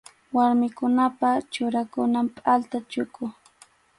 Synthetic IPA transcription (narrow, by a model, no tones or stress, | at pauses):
waɾmɪkʊnapat͡ʃʊɾakʊnampʼalt̪at͡ʃʊkʊ